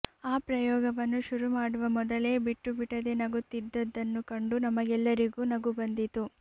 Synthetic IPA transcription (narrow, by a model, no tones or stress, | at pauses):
aːpɾɐjɔːɡɐʋɐnːuʃuɾumaːɽuʋɐmɔd̪ɐle̞ːbiʈːubiʈɐd̪e̞nɐɡut̪ːid̪ːɐd̪ːɐnːukɐɳɖunɐmɐɡɛlːɐɾiɡuːnɐɡubɐnd̪it̪u